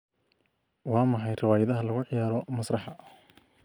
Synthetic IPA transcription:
wɑːmɑħɑjrɑwaːjɐðɐɦɐlɐɣʊʕɪjaːɾɔmɐsrɑħɑ

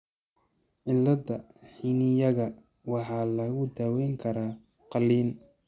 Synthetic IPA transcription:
ʕɪlːɐd̪ɐħinɪjɐɣɐ | wɑħɑːlɐɣʊd̪aːwɛjŋkʰɐɾaː | qɑliːn

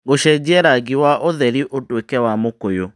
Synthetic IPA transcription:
ɣoʃɛd͡ʑɛɾaɣiwaʔoðɛɾiʔotwekɛwamokojo

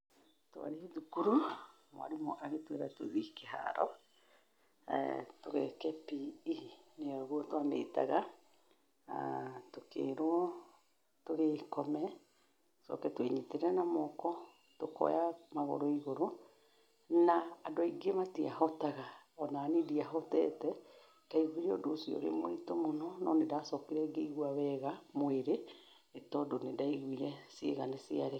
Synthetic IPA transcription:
toa̰ɾehiðukuɾu | mw̰a̰ɾimɔʔaɣetweɾatwḛðikeha̰ɾɔ̰ | toɣɛkɛpiː | neɔɾoɣuɔtwamḛːta̰ɣa | tokḛːɾoɔ | toɣeːkɔmɛ | sɔ̰kɛtweɲiteɾɛnamɔkɔ | tokɔ̰jamaɣo̰ɾoiɣoɾo | naːdoaiɡematia̰hɔtaɣaɔnanediaɦɔtɛ̰tɛ | kaiɣuiɾeɔ̰doːsiɔ̰ɾḛmoitomonɔnɔ̰nedaːsɔkiɾɛɡeiɣwawɛɣamoeɾe | etɔdonedaiɣwiɾɛsḛɣanesiaɾe

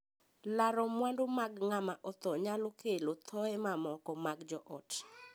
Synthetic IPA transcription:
laɾɔmwandomaɡŋamaʔɔt̪ɔɲalokelot̪ʰɔɛmamɔkɔmaɡd͡ʒɔʔɔt

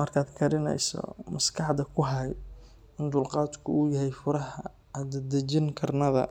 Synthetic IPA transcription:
mɐrkʰaːd̪kʰɐɾɪnɛ̰jsɔ̰mɐskʰɑħd̪ɐkʰʊɦɐ | ɪnd̪ʊlqɑːd̪kʰʊuːjɐɦɛjfʊɾɐɦɐ | d̪d̪ɐt͡ʃɪŋkʰɐrnɐðɐ̰

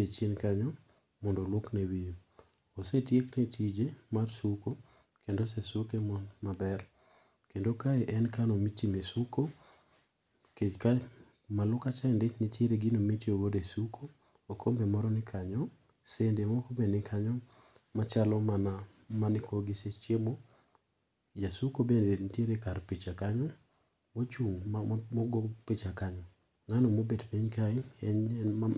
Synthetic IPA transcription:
et͡ʃenkaɲɔ | mɔndoloknewi | osetjeknetʰid͡ʒemarsuko | kendos̬esukemɔmabɛɾ | kendokaɛʔɛnkanomitimisuko | ked͡ʒka | malʊkat͡ʃaendet͡ʃnitjeɾeɡinomitiowodesukʰo | okʰombemɔɾɔnɪkʰaɲɔ | sendemokobenɪkʰaɲɔ | mat͡ʃalɔmana | manɪkʰɔɡɪset͡ʃemo | d͡ʒasukobendenitjeɾekarpit͡ʃakaɲɔ | mot͡ʃuŋmɔɡɔpit͡ʃakaɲɔ | ŋanɔmobedpiɲkaɪɛa

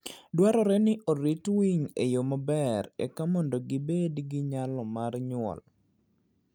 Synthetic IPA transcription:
dwaɾɔɾɛnɪʔoɾitwiŋejomabɛɾɛ̰kamɔndoɡɪbedɡɪɲalɔmarɲʊɔ̰l

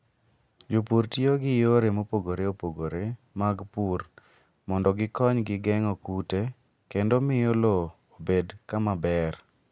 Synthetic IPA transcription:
d͡ʒupuɾtjoɡɪjoɾemopoɡoɾeopoɡoɾe | maɡpur | mɔndɔɡɪkɔɲɡɪɡɛŋɔkute | kendomɪjolo | obedkamabɛr

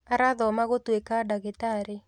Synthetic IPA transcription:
aɾaðɔmaɣotwekadaɣetaɾɪ

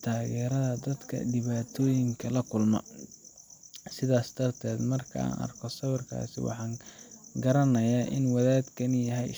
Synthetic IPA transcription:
t̪ʰaːɣɛːɾɐðɐd̪ɐd̪kʰɐ̰ɖɪβaːt̪ʰɔːjɪŋkʰɐlɐkʰʊlmɔ̰ | sɪðaːsd̪̥ɐrt̪ʰɛːd̪mɐrkʰɐa̰ːnɐ̰rkʰɔsɐβɪrkʰa̰ːsɪ̰wɑ̰ħɑːŋɡɐɾɐnɐjaːʔɪnwɐðaːd̪kʰɐnɪjɐɦɛj

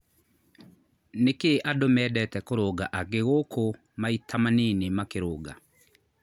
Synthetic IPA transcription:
nekeʔadomɛːdɛtɛkoɾoɡaʔaɡeɣokʰo | maitʰamanenemakeɾoːɡa̰

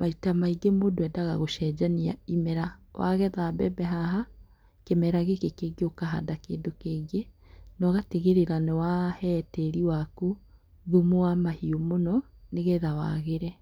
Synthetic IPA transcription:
maitamaiɡemodoɛdaɣa̰ɣoʃɛd͡ʒaniaimɛɾawʔa̰ɣɛðabɛbɛɦaɦa | kemɛɾaɣekekeɡeokaɦa̰dakeːdokeɡenɔɣateɣeɾeɾanɛwahɛtɛɾiwaku | ðumoamahiomonɔneɣɛðawa̰ɣeɾɛ

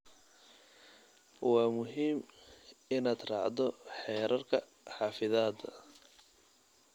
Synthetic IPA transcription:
wɑːmʊɦiːm | ɪnaːd̪rɑ̰ːʕd̪ɔħɛːɾʔɐrkʰɐ | ħɑːfɪðaːd̪ɐ̰

